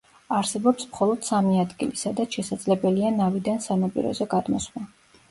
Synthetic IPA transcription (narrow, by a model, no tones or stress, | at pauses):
aɾsɛbɔpsmχɔlˠɔd̪̥samiad̪ɡilisad̪at̪ʃɛsad̪zlɛbɛlianavid̪ansanapʼḭɾɔ̰zɛɡad̪mɔ̰sma